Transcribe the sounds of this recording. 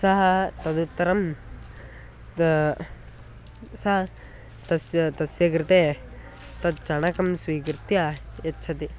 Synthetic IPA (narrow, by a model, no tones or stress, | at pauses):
sɐɦɐ̆t̪ɐd̪ut̪ːɐɾɐm | sɐɦɐ | t̪ɐsjɐt̪ɐsjɐk̬ɾɪt̪eː | t̪ɐd̪̚t͡ʃɐɳɐkɐmsʋiːkɾɪt̪jɐjɐtːt͡ʃʰɐt̪i